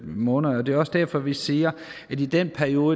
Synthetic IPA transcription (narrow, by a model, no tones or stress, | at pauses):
mɔ̽ːnð̩ˠɒd̥e̝ɒ̽sd̥æɐ̰fɒ̽ʋisiːɐæd̥id̥en̰pʰæɐio̝ːə